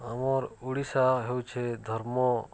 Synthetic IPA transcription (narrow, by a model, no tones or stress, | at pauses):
əmoɾuɽisaɦewt͡ʃʰed̪ʱəɾmo